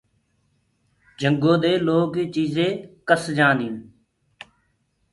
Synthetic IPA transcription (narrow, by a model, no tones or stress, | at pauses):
d͡ʒʱəŋɡõːd̪eːloːkiːt͡ʃiːzẽːkəsd͡ʒãːd̪ĩːn